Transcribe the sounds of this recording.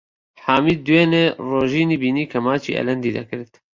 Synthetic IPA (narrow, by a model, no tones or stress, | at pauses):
ħaːmiːd̪uweːneroːʒiːniːbiːniːkʰɐmaːt͡ʃḭːʔɛ̰lɛnd̪iːd̪ɐ̰kɨɾt̪